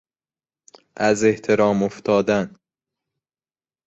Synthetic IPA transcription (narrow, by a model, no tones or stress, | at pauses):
ʔæze̞ht̪ʰe̞ɾɒːmoft̪ʰɒːd̪æn